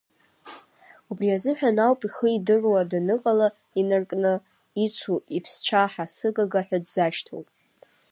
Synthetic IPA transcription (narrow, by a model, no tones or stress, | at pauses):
ubriazɨħᶣanawpʼiχəidɨrwadanɨqʼala | inɨrkʼnɨ | it͡sʷʰuipʰst͡ʃʷʰaħasɨɡaɡaħʷᶣadzaʃtʰo̰wpʼ